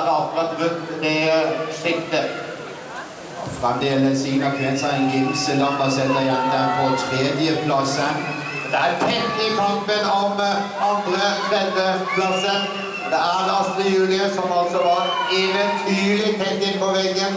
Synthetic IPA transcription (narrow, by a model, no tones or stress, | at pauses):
d̪ɑlfɾɑt̪ʋʉt̪ɾeʂɪkt̪ə | fɾɑmd̪ɛjɛlːəsɪnɑpʰeːnsɑɪnɡɪmsəlɑbɑsɛt̪ːəjɛnːd̪æɾpʰɔt̪ʰɾeːd̪jəpʰlɑsən | d̪ææɾt̪ʰɛŋt̪ɪt̪ʰɔmpənɑʋ | ɑnd̪ɾət̪ʰɾɛd̪əpʰlɑsən | d̪ɛæɖɑst̪əjʉːlɪəsɔmɑlt̪sɔʋɑɾɛʋənt̪ʰyːlɪt̪ʰɛŋt̪ɪnpʰɔʋɛɡːən